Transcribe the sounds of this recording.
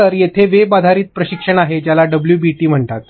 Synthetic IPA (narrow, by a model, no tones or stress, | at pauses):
əɾjet̪ʰeʋebad̪ʱaɾiːt̪̚pɾəɕikʂəɳaɦed͡ʑjalaɖəbljuːbiʈiːm̤əɳt̪at̪